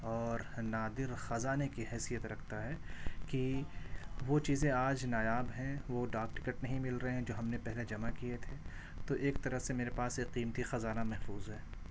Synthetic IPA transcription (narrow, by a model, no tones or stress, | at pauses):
ɔːɾnaːd̪ɪɾxɐzaːnekiɦɛːsijət̪ɾɐkʰt̪aɦɛːki | ʋot͡ʃiːzẽaːd͡ʒnaːjaːbɦɛ̃ʋoɖaːkʈɪ̥kəʈnɐɦĩmɪlɾɐɦeɦɛ̃d͡ʒoːɦɐmnepɛɦled͡ʒɐmakijet̪ʰe | t̪oʔeːk̚t̪ɐɾəfsemeːɾepaːseqiːmt̪ixɐzaːnamɛɦfuːzɦɛː